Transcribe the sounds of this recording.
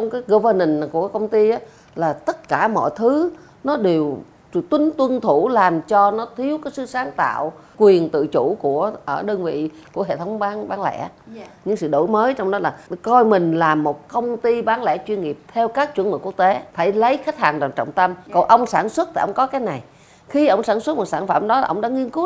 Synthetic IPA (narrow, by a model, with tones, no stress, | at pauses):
t͡ɕwŋ͡mkaː˨˦jɣo˧vəː˧nə˨˩n˨˩ku˧˩əkaː˨˦kə˧wŋ͡mt̪i˧ʔaː˨˦ | laː˨˩t̪ə˦˥t̚kaː˧˩mɔ̰˧˨jt̪ʰɨ˨˦ | nɔ˨˦ɗe˨˩w | t̪wï˨˦ŋt̪wə˧nt̪ʰu˧˩laː˨˩mt͡ɕɔ˧nɔ˨˦t̪ʰi˨˦əwkaː˨˦jsɨ̰˧˥saː˨˦ŋt̪a̰ː˧˨wkwi˨˩ənt̪ɨ̰˧˨t͡ɕu˧˩ku˧˩əʔəː˧˩ɗəː˧nvḭ˧˨ku˧˩əɦḛ˧˨t̪ʰə˨˦wŋ͡mɓaː˨˦nɓaː˨˦nlɛ̰˧˥ɲɨ̰˧˥ŋsɨ̰˧˨ɗo̰˧˩jməː˨˦jt͡ɕɔ˧wŋ͡mɗɔ˨˦laː˨˩kɔ˧jmï˨˩ŋ̟laː˨˩mːo˨˩t̚kə˧wŋ͡mt̪i˧ɓaː˨˦nlɛ̰˧˥t͡ɕwi˧nŋi˨˩əp̚t̪ʰɛ˧wkaː˦˥k̚t͡ɕwnmə˨˩ku˦˥ək̚t̪e˨˦faː˧˩jlə˨˦jxa˦˥k̚haː˨˩ŋɗwaː˨˩nt͡ɕɔ̰˧˨wŋ͡mt̪ə˧mkɔ˨˩nʔə˧wŋ͡msaː˧˩nswə˦˥t̚t̪a̰˨˩ʔə˧wŋ͡mkɔ˨˦kaː˨˦jna˨˩j | xi˧ʔə˧˩wŋ͡msaː˧˩nswə˦˥t̚mo˨˩t̚saː˧˩nfaː˧˩mɗɔ˨˦laː˨˩ʔə˧wŋ͡mɗa̰ː˧˥ŋi˧ənku˦˥t̚